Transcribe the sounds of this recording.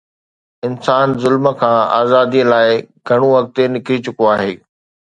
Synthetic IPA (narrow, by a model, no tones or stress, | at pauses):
ɪnsaːnzʊlmə̆kʰãːa̰ːzaːd̪iəlaːɪɡʱɐɽ̃õʋɐk̚t̪enɪkɾit͡ɕʊkoaːɦeː